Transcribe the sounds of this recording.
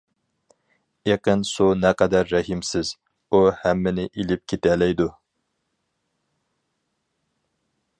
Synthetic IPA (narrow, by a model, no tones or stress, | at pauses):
eqənsunɛqʰɛd̪æɾːɛɦimsɪz̥ | uhɛmːɪnɪʔilɪp̚kʲʰet̪ɛlɛjd̪u